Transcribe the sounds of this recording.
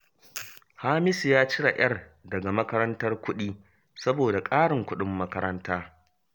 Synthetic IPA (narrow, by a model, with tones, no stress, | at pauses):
haː˦mɪ˦sjaː˦t͡ʃɪ˦ɽa˨j̰ɐ˦rdɐ˨ɡa˨mɐ˦kɐ˦ɾɐ˦ntɐ˦rkʷʊ˦ɗiː˦ | sɐ˦boː˨da˨kʼaː˦ɽɪ˨ŋkʷʊ˦ɗɪ˦mːɐ˦kɐ˦ɾɐ˦ntaː˦